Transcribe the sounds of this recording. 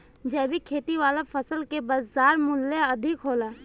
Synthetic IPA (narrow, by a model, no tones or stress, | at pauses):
d͡ʒɛːbʱikʰeːt̪iʋwaːlafɐsəlkebɐaːɾmʊlːeɐd̪ʱɪkɦoːlaː